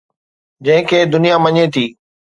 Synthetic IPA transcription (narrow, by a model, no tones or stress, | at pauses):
d͡ʑɐ̃ɦɪ̃kʰeːd̪ʊnijamɐɲet̪ʰiː